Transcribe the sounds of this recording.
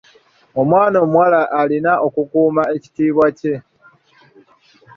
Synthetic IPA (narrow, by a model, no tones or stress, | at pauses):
o̞mwaːnomwalaʔːlinaʔo̞kukuːmae̞ci̥tiːβwace̞